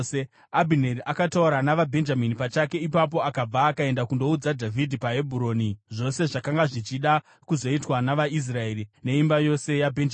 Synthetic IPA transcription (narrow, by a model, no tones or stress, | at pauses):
se | abʱineriʔakatauɾanaʋabʱe̞nd͡ʒaminipat͡ʃake̞ipap̬o̞akab͡vaːkae̞ndakundo̞ud͡zadʱavʱidʱipaɦe̞bʱuɾo̞niʐo̞se̞ʐakaŋɡaʐit͡ʃiɗa | kuzo̞itwanaʋais̬rae̞ɾine̞imbajo̞se̞jabʱend͡ʒ